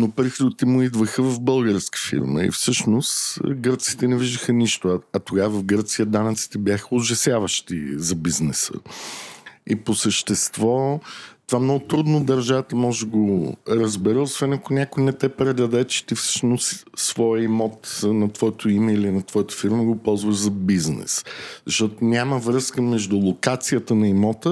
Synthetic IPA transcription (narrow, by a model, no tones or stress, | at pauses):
nopɾixɾid̪t̪ɛmʊid̪vəxəvɐvbɤlˠɡəɾskə̥fḭɾmə̰ḭfsɤʃnosɡəɾt̪si̥t̪ɛnɛviʒd̪əxəniʃt̪ʊɐɐt̪oɡavɐfɡɤɾt̪sijəd̪anət̪si̥t̪ɛbjaxəoʒɐsjavəʃt̪ḭzɐbiznɛsə̰ | iposəʃt̪ɛst̪vɔt̪ovamnɔɡʊt̪ɾud̪nod̪ɐɾʒavət̪əmɔʒɛɡoɾəzbɛɾəosvɛnɐkʊonʲjakʊjnɛt̪ɛpɾɛd̪ɐd̪ɛt͡ʃɛ̥t̪ifsə̥t͡ʃnosːvɔjəimɔt̪nɐt̪vɔjət̪ʰoimɛilinɐt̪vɔjət̪ə̥fiɾməɡopɔlˠzvəʒzɐbiznɛ̰szɐʃt̪ɔt̪onʲaməvɾəskəmɛʒd̪ʊlˠokat̪sijət̪ənɐimɔt̪ə